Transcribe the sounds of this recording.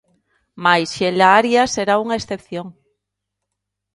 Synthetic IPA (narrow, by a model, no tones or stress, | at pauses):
majsʃelaaɾjaseɾauŋaesθepθjoŋ